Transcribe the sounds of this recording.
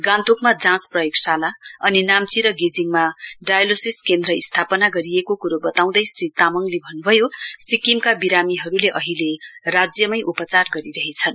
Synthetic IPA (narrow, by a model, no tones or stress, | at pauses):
ɡant̪ukmad͡zãt͡sprʌjoksalaʌninamt͡siɾʌɡid͡ziŋmaɖajlosiskend̪ɾʌist̪ʰapʌnaɡʌɾiekokuɾobʌt̪aw̃d̪ʌjsrit̪amʌŋlebʱʌnːubʱʌjosikimkabiɾamiɦʌɾuleʔʌɦilerad͡zjʌmʌjʔupʌt͡sarɡʌɾiɾʌɦit͡sʰʌn